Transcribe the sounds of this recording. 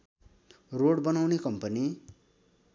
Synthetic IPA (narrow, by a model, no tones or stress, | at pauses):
roɽbʌnawnekʌmpʌni